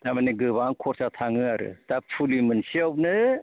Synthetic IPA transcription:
tamaniɡɯbaŋkʰɔɾsatʰaŋɯaɾɯ̰tapʰulimɯnsiawp̚nɯ

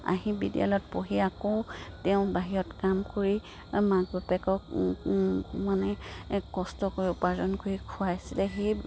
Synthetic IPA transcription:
a̰ɦibḭdḭa̰lɔt̚poɦiakoʊtɛʊ̃baɦiɹɔtkamkoɹi | maɡ̚bapɛkɔk | manɛkɔstɔkoɹiʊpazɔnkoɹikʰʊwajasilɛxej

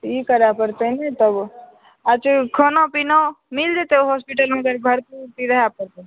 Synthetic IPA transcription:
t̪ikəɾapəɾt̪ənit̪əb | ət͡ʃʰkʰonopinomild͡ʒet̪eoɦospiʈəlmeɡəɾbʱəɾp̪iɾt̪iɾəɦapəɾt̪ə

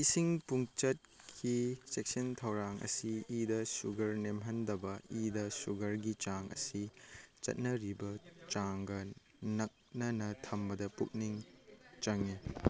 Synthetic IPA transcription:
isiŋpuŋt͡ʃɐt̚kʰisek̚sɐntʰɐwɾaŋʔɐ̰siːdɐsuɡɐɾnemɦɐndɐbɐidɐsuɡɐɾɡit͡ʃaŋɐ̰sit͡ʃɐ̰t̚nɐɾibɐt͡ʃaŋɡɐ | nɐk̚nɐnɐtʰɐmbɐdɐpuk̚niŋt͡ʃɐŋi

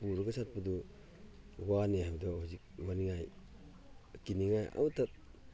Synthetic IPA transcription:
puɾɡasat̚pudu | waniaabdɔhuzik̚maniŋaj | kiniŋaja̰wtat̚

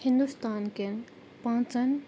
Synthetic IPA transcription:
hind̪ust̪anken | paŋt͡san

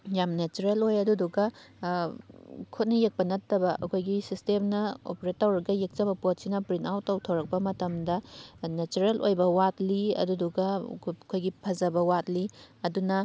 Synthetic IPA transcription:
jamnet͡ʃuɾelojɐduduɡɐ | kʰot̚nɐjek̚pɐnɐtːɐbɐʔɐ̰kʰojɡisistemnɐo̰peɾetawɾɡɐjek̚t͡ʃɐbɐpot̚sinɐpɾintawtːɐwtʰɐwɾɐk̚pɐmɐtɐmdɐnet͡ʃuɾelojbɐwatliɐ̰duduɡɐkʰojɡipʰɐzɐbɐwatliɐdunɐ

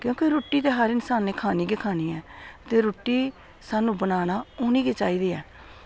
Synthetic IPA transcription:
kjõːkeːɾoːʈːiːt̪eːɦəɾɪnsaːnːeːkʰaːniːɡeːkʰaːniːɛːt̪eːɾoːʈːiː | saːnũːbənaːnaːʊniːɡeːt͡ʃaːiːd̪iːɛː

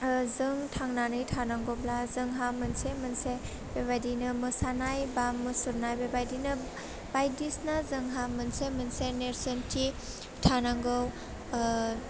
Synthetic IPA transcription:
zɯŋtʰaŋnanɯjtʰanaŋɡowblazɯŋɦamɯnsemɯnse | b̥ebajdinɯmɯsanajbamɯsuɾnajbebajdinɯ | b̥ajdisnazɯŋɦamɯnsemɯnseneɾsɯntʰi | tʰanaŋɡow

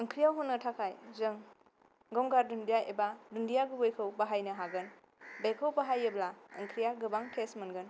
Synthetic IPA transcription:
ɯŋkʰɾijawɦunːɐtʰakʰajzɯŋ | ɡɔmɡaɾdundijaebadundijaɡɯbajkʰəwbaɦajnɐɦaɡɯn | bejkʰəwpaɦajeblaɐ̰ŋkʰɾijaɡɯbaŋtʰesmɐnɡɯn

